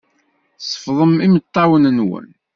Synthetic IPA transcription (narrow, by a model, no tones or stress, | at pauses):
sˤə̥fðˤəmimət̪ˤːɑwənənwə̰n